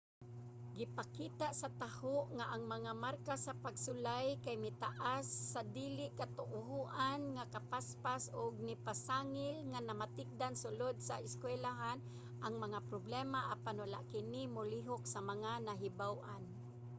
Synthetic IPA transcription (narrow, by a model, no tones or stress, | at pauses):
ɡɪpakiːt̪aʔsat̪ahoʔŋaʔaŋmaŋamarkasapaɡsʊlajkajmɪt̪aʔasːad̪ilɪʔkat̪ʊʔʊɦuʔanŋakapaspasʊɡ̚nɪpasaŋɪlŋanamat̪ɪk̚d̪ansʊlʊd̪̚saɪskwɛlaɦan | ʔaŋmaŋapɾoblɛmaʔapanwala̰ʔkɪnɪmʊliɦok̚samaŋanaɦɪbawʔan